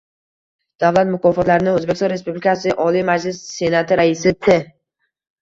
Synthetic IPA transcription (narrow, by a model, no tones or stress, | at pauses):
d̪̥avlat̪mʊkʰɒfɒt̪laɾɪnɪŋɵzbekʲst̪ɒnɾe̞spublɪkʰasɪʔɒlijmad͡ʒlɪsːe̞nat̪ʰɪɾaɪsɪt̪ʰɪ